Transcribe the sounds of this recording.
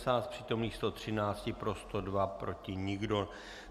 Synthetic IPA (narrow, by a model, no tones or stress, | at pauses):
saːt̪̚pr̝̥iːt̪o̞mniːxst̪o̞t̪r̝̥ɪnaːt͡scɪpɾo̞st̪odvapɾo̞cɪɲɪɡdo̞